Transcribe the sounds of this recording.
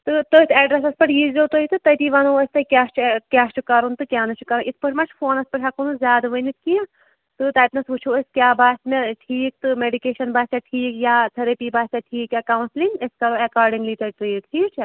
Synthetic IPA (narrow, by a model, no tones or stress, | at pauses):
t̪ɨt̪oːit̪ʰɛːɖɾɐsɐspɐʈjiːzlʲowt̪oːit̪ɨt̪ɐjt̪iʋɐnuːɐsʲt̪ɐkʲjaːt͡ʃʰkʲaːst͡ʃukɐɾunt̪ɨkʲjaːnɐt͡ʃukɐɾunʔisʰpɨʈʰmɐt͡ʃʰfʰoːnɐspɐʈɦakunuzʲjaːd̪ʋənit̪ʰkijɐ̃ | t̪ɨt̪ɐːjt̪nɐsʋut͡ʃʰuːɐsʲkʲjaːbaːsʲt̪meʈʰiːk̚t̪ɨmeɖikeːʃɐnbaːsʲt̪aʈʰiːkjaːt̪ʰɐɾɐpiːbaːsʲt̪ʲaʈʰiːkjaːkɐwnslinɐskɐɾoːɛkaːɾɖiŋɡlit̪ɐʈɾeːʈʰiːt͡ʃʰɛ